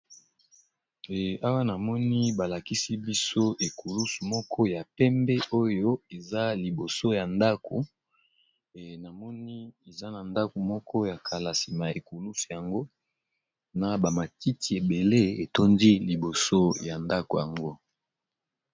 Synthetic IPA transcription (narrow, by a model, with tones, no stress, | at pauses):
a˦wa˦na˨mɔ˦ni˦ba˨la˨ki˦si˦bi˦so˦ʔe˨ku˨lu˦su˨mɔ˦kʰɔ˦ja˨pɛ˦mbɛ˦ʔo˦jo˦e˨za˦li˨bo˨so˦ja˨nda˦kʰo˨ | na˨mɔ˦ni˦e˨za˦na˨nda˦ko˨mɔ˦kʰɔ˦ja˨kʰa˨la˨si˨ma˨e˨ku˨lu˦su˨ja˨ŋɡo˦ | na˨ba˨ma˨ti˦ti˨e˨be˨le˦e˨to˦ndi˦li˨bo˨so˦ja˨nda˦ko˨ja˨ŋɡo˦